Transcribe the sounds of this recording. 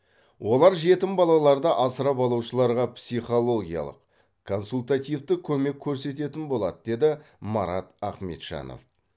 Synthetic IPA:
wo̞lˠɑɾʒe̞t̪ɪmbɑlˠɑlˠɑɾd̪ɑʔɑsəɾɑbɑlˠuwʃəlˠɑɾʁɑpsijχo̞lˠo̞ɡʲijɑ̰lˠə̰q | kʰo̞nsult̪at̪ijvt̪ɪkʲʰɵme̞kʲʰːɵɾse̞t̪e̞t̪ɪnbo̞lˠɑ̰d̪əd̪e̞d̪ɪ | mɑ̰ɾɑt̪ɑqme̞̰t̪ʃɑ̰no̰f

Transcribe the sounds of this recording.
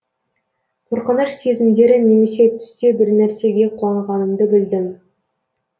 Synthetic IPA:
qʰoɾqənəʃse̞zɪmd̪e̞ɾɪne̞me̞se̞t̪ʰʏ̥st̪e̞bɪɾnæɾse̞ɡʲe̞qʰuɑɴʁɑnəmd̪əbɪld̪ɪm

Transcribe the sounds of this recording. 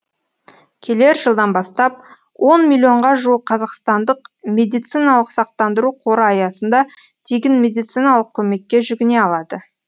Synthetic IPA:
kʲʰe̞le̞ɾʒəlˠd̪ɑnbɑst̪ɑp̚ | wʔo̞nmʲilʲːio̞ɴʁɑʒuəqqʰːɑzɑqst̪ɑnd̪əqmʲe̞d̪ijt̪sijnɑlˠəqsɑq̚t̪ɑnd̪əɾuqʰo̞ɾəɑjɑsənd̪ɑ | t̪ʰeɡʲɪnmʲe̞d̪ijt̪sijnɑlˠəq̚kʲʰɵme̞kʲːe̞ʒʏɡʲɪne̞ɑlˠɑd̪ə

